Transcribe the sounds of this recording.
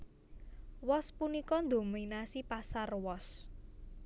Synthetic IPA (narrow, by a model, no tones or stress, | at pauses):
wɔspunikɔnd̪o̤minasipasarwɔs